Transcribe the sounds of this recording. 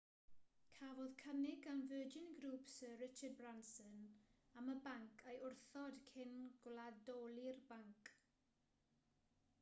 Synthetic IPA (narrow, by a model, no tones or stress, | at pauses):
kʰavɔðkʰənɪɡanvəːd͡ʒɪnɡɾuːpsəːɹɪt͡ʃəd̚bransənaməbaŋkʰejʔʊrθɔd̥kʰɪnɡ̥lˠadɔːlˠirbaŋkʰ